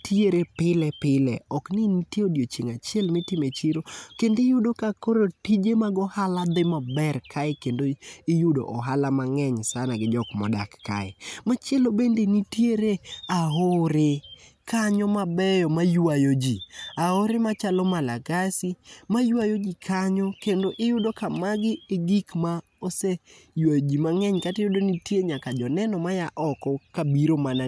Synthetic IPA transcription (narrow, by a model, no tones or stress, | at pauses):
tjeɾepɪlɛpɪlɛɔknɪnitjeodjot͡ʃeŋat͡ʃɪɛlmɛtɪmet͡ʃiɾokendɪjʊdokakoɾotid͡ʒemaɡɔhalad̪ɪmabɛrkʰaɪkendoijudo̰ʔɔɦalamaŋɛɲsanaɡɪd͡ʒɔkmɔ̰da̰kːa̰ɛ̰mat͡ʃjɛlobendenitjeɾeaɦoɾɪ | kaɲɔmabɛjɔmajwajod͡ʒiahoɾɪmat͡ʃalɔmalaɡasimajwajod͡ʒikʰaɲɔkendoʔɪjʊdokamaɡɪeɡikma | osejwajod͡ʒimaŋɛɲkatjʊdonitjeɲakad͡ʒɔnɛnɔmajaʔɔkɔkabiɾomana